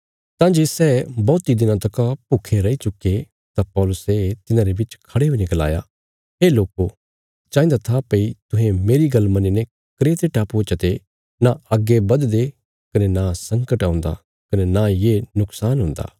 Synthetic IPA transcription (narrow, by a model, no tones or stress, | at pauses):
t̪ãːnd͡ʒesɛːbɔːt̪id̪ɪnãt̪ɐkapʊkʰeɾɐit͡ʃʊkːe | t̪apɔːlʊset̪ɪnãɾebɪt͡ʃkʰɐɽeɦʊ̃d͡ʒɡɐla̰ːja̰ | ɦeːloːko | t͡ʃãːĩnd̪at̪ʰapɐit̪ʊɦẽmeːɾiɡɐlmɐnĩne | kɾeːt̪eʈaːpːt͡ʃət̪e | naɐɡːebɐd̪d̪e | kɐnenasɐ̃ŋkəʈãʊ̃nd̪a̰ | kɐnenajenʊksaːnɦʊ̃ːnd̪a̰ː